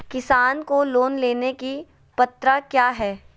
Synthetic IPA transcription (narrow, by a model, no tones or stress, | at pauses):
kɪsaːnkoloːnleːneki | pɐt̪ɾakjaːɦɛː